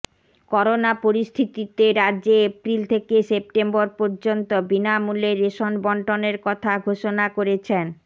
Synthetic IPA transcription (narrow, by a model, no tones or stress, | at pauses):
kɔɾonapoɾist̪ʰit̪it̪eɾadːʑeepɾilt̪ʰekesep̚ʈemboɾpɔɾd͡ʑont̪obinamuleɾːeʃonbɔɳʈoneɾkɔt̪ʰaɡʱoʃonakoɾet͡ɕʰen